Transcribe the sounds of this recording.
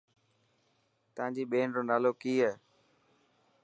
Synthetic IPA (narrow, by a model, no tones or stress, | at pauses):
t̪əʋãːd͡ʑiːɓeːnɾoːnaːloːkiːɦɛː